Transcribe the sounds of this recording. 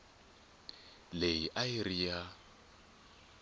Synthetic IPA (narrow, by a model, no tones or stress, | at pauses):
lejiʔairija